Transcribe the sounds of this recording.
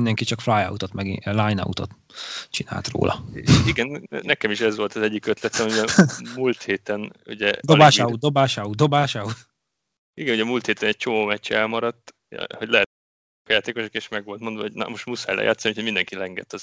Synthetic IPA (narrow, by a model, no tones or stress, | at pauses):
ind̪ɛŋkit͡ʃɒkflajɒ̰wut̪ot̪mɛɡḭlajnɒ̰wut̪o̞̰t̪ | t͡ʃina̰ːlt̪ro̰ːlʔɒ̰eʃiɡɛnnɛkɛmiʃɛzʋo̞lt̪ɒzɛɟːikøt̪lɛt̪sɛmmiɛmult̪heːt̪ɛnṵɟɛd̪obaːʃaud̪o̞baːʃaud̪o̞baːʃɑu | iɡɛnuɟɛmult̪heːt̪ɛnɛc̚t͡ʃomoːmɛcːɛɛlmɒɾɒt̪ː | hoɟlɛɦɛt̪ | kjaːt̪eːko̞ʃokeːʃmɛɡʋo̞lt̪mo̞nd̪vɒɦoɟn̰moʃt̪musa̰ːjlɛ̰ja̰ːt̪sːniucʰomind̪ɛŋkilɛŋɡɛt̪ːɒz